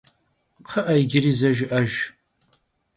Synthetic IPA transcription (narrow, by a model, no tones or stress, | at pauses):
qʰɨʔɐjɡʲɪrizɐʒɪʔɐʒ